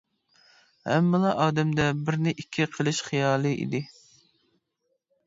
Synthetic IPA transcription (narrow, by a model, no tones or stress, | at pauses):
hɛ̰mːɨlˠɑʔɑːd̪ɛmd̪ɛbɪɾnɪʔikʲʰːiqʰəlˠɨʃχijɑːlˠɨʔḭd̪ɪ